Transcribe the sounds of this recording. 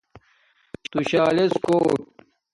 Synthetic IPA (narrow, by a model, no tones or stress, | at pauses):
t̪uɕaːleskoːʈ̚